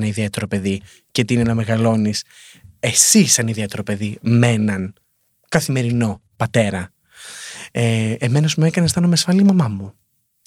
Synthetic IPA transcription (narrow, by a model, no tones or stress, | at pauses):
nɐiðiet̪e̞ɾo̞pe̞ði | cet̪iineenɐme̞ɣɐlo̞nis | e̞sisɐniðiet̪e̞ɾo̞pe̞ðime̞nɐn | kɐθime̞ɾino̞pɐt̪e̞ɾɐ | eeme̞nɐzmuekɐnest̪ɐnomeɐsfɐlimɐmɐmu